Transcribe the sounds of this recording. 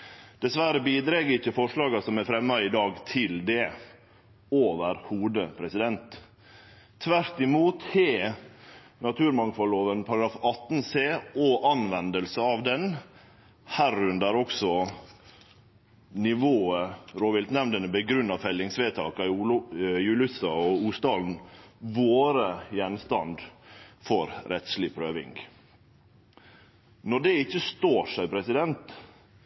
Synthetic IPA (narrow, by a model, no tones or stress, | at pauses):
d̪̥ɛsʋæɾəbiːd̪ɾɛɡəɾɪçːəfɔʂɭɑːɡɑsɔmɛfɾɛmːɑɪd̪ɑːɡt̪ʰɪld̪ɛ | oːʋəɾhuːd̪əpʰɾɛsɪd̪ɛnt̪ʰ | ʋæɾt̪ɪmuːt̪heː | nɑt̪ʰʉːɾmɑŋfɑlːoːʋənpʰɑɾɑɡɾɑːfɑt̪ːn̩seːoʔɑnʋɛnd̪əlsəɑʋd̪ɛn | hæɾʉnd̪əɾɔksɔ | nɪʋoːəɾoːʋɪlt̪nɛmnd̪ənəbəɡɾʉnːɑfɛlːɪŋsʋeːt̪ʰɑ̰ːkɑ | jʉːlʉsɑɔuːst̪ɑːln̩ʋoːɾəjɛnst̪ɑnd̪fɔɾɾʔɛt̪slɪpʰɾøːʋɪ̰ŋɡ | nɔɖɛɪçːəst̪oːʂæɪpʰɾɛsɪd̪ɛnt̪